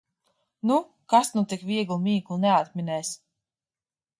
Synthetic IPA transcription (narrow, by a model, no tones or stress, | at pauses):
nu | kasnut̪ikvʲiɛɡlˠmiːɡlˠnɛat̪mʲinɛːs